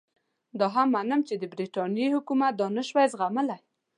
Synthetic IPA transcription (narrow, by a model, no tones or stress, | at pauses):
d̪ɑɦamːanəmt͡ʃed̪əbɾiʈɑnjehʊkumat̪̚d̪ɑnəʃwajzɣaməlaj